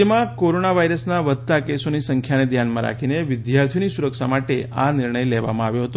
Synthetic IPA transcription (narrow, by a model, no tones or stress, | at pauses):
emãkoɾonaʋaiɾəsnaʋəd̪̚t̪akesonisəŋkʰjaned̪ʱjanmãɾa̰kʰineʋɪd̪jaɾt̪ʰionisuɾəkʃamaʈea̰nɪɾɳəjleʋa̰mãaʋjoɦət̪o